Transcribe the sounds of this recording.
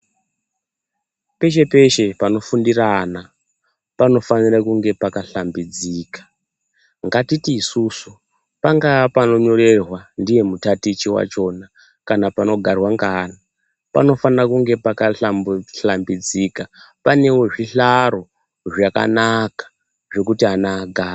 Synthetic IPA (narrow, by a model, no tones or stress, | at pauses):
pe̞ʃ̬e̞pe̞ʃe̞pano̞fundirana | pano̞fanirakuŋɡe̞pakaɬambid͡ziːkḁ | ŋɡatitiːsusu | paŋɡapano̞ɲo̞re̞rwandije̞mutatit͡ʃiwa̰t͡ʃo̞na | kanapano̞ɡʱarwaŋɡaːna | pa̰no̞fanirakuŋɡe̞pakaɬamɬambid͡ziːka | pane̞wo̞ʐiɬaɾo̞ | ʐaka̰nakḁ | ʐe̞kutianaɡʱaːra